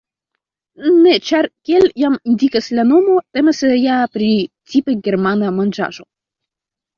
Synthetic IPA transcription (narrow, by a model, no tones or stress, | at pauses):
ne̞t͡ʃaɾkʲieljamindikaslano̞mo̞t̪e̞masejapɾi | t͡sipeɡe̞ɾmanamand͡ʒa̰ʒo̞